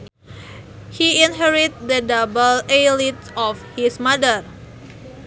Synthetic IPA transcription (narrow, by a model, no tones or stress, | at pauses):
hiinɦɛɹit̪̚dədabəlelit̪ | ɔfhismadər